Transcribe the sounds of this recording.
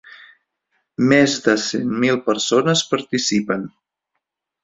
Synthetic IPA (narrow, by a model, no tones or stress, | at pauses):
mezdəsenmilˠpəɾsonəspəɾt̪isipən